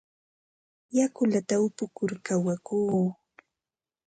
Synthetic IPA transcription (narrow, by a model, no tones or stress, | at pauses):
jakʊlat̪aʊpʊkʊɾkawakuː